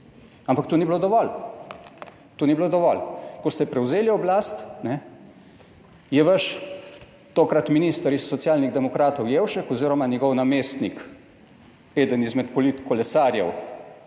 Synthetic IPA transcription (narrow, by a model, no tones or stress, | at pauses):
ampakt̪uːniblod̪ɔʋɔl | t̪uːniblod̪ɔʋɔlkɔst̪ɛpɾɛwzeːliɔblaːst̪nɛ | jɛʋəʃ | t̪oːkɾat̪minist̪əɾisːɔt̪sjaːlniɣd̪ɛmɔkɾaːt̪ɔwjeːwʃɛkɔziːɾɔmanʲjɛɡɔwnameːst̪nik | eːd̪ənizmɛt̪pɔlit̪kʰɔlɛsaːɾjɛw